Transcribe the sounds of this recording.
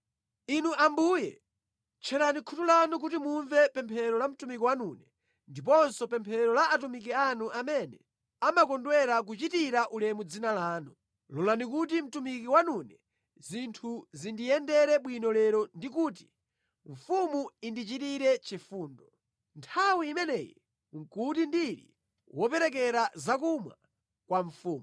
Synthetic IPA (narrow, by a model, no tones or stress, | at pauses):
inuʔambuːjɛ | t͡ʃʰɛɾanikʰutulanuk̬utimuɱvɛpɛmpʰɛɾɔlam̩tumik̬iwanunɛ | ndip̬ɔnsɔpɛmpʰɛɾɔlaʔːtumik̬ianuʔamɛnɛ | amakɔndwɛɾak̬ut͡ʃitiɾaʔulɛmud͡zinalaːnu | lɔlanikutim̩tumik̬iwanunɛ | zintʰuzindijɛndɛɾɛɓwinɔlɛɾɔndik̬uːt̬i̥ | ɱ̩fumuindit͡ʃitiɾɛt͡ʃifuːndɔ | ntʰawiːmɛnɛːjḭ | ŋ̩kutindiɾḭ | wɔpɛɾɛkɛɾazak̬umwa̰ | kwaɱfuːmu